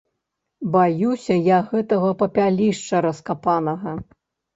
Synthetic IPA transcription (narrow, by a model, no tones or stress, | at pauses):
bajusʲɐjaɣɛt̪ɐɣɐpɐpʲalʲiʂt͡ʂɐɾɐskapanɐɣɐ